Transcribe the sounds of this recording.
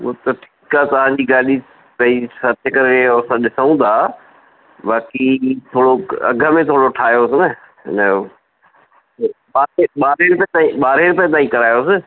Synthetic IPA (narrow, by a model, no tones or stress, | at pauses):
o̰ːt̪ɐʈʰiːkaːt̪ɐʋ̤ãd͡ʑiːɡaːɗi | pɐ̃isɐɾt̪ʰjəkɐɾɪeɐsãɗɪsəũːd̪aː | baːkit̪ʰoːɽoɐ̰ɡʱəmẽt̪ʰoːɽoʈʰaːjosɪnə | ɦɪ̰nə | ɓaːɾeɓaːɾeɾɪpɐt̪aːĩɓaːɾeɾɪpɐ̃t̪aːĩkɐɾaːjosɪ